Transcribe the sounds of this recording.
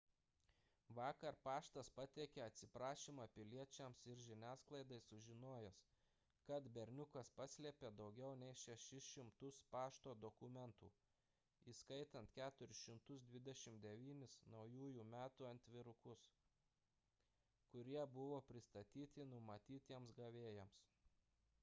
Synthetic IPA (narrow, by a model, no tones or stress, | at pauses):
ʋɑːkɐɾpɑːʃt̪ɐspɐt̪ʲɛkʲɛɐt̪ʲsʲɪpɾɑːʃʲimɑpʲɪlʲiɛt͡ʃʲɛmsɪɾʒʲɪnʲæːsklˠɐɪd̪ɐɪsʊʒʲɪnoːjɛs | kɐt̪bʲɛɾʲnʲʊkɐspɐsʲlʲiɛpʲeːd̪ɒʊɡʲɛʊnʲɛɪʃʲɛʃʲɪsʃʲɪmt̪ʊspɑːʃt̪oːd̪ɔkʊmʲɛnt̪ṵː | iːskɐɪt̪ɐnt̪kʲæːt̪ʊɾʲɪsʃʲɪmt̪ʊsd̪ʲʋʲɪd̪ʲɛʃʲɪmd̪ʲɛʋʲiːnʲɪsnɒʊjuːjuːmʲæːt̪uːɐnʲt̪ʲʋʲɪɾʊkʊs | kʊɾʲiɛbʊʋoːpʲɾʲɪst̪ɐt̪ʲiːt̪ʲɪnʊmɐt̪ʲiːt̪ʲiɛmsɡɐʋʲeːjɛms